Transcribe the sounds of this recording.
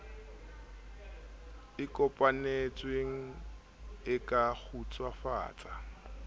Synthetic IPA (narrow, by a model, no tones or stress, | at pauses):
ɪkʼɔpʼanet͡sʼweŋ̩ | ɪkʼak͡xʰut͡sʼwafa̰ːt͡sʼa